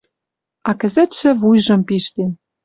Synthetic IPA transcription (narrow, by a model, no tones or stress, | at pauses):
ɑkɘ̆zɘ̆t̪ʃɘ̆βujʒɤ̆mpiʃt̪en